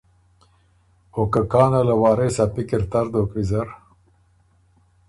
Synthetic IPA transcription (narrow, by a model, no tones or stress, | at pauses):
okəkaːnɐləwɑːɾeːsɐpikiɾt̪ɐɾd̪oːkɾizɐɾ